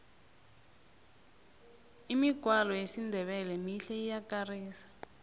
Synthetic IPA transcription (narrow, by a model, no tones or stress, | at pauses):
imiɡ̥ʱwalɔjesindʱɛβɛlɛmiɬɛijakariːsḁ